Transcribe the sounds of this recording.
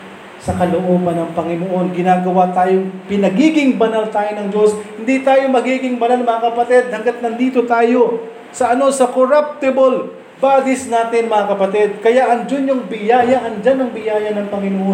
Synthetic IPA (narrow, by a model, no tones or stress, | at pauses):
sɐkɐloʔo̞ːbɐnɐŋpɐŋɪnoʔo̞nɡɪnaːɡɐwat̪aːjoŋpɪnɐɡiːɡɪŋbɐnalt̪aːjonɐŋd͡ʒo̞shɪnd̪it̪aːjomɐɡiːɡɪŋbɐnalnɐmɐŋakɐpɐt̪ɛd̪̚hɐŋɡat̪̚nɐnd̪iːt̪o̞t̪aːjo̞ | sɐʔɐno̞sɐkoɾap̚t̪ɪbol | baːd̪ɪsnaːt̪ɪnmɐŋɐkɐpɐt̪ɛd̪̚kɐjaʔɐŋd͡ʒʊnːoŋbɪjaːjɐʔɐnd͡ʒanɐŋbɪjaːjɐnɐŋpɐŋɪnoʔon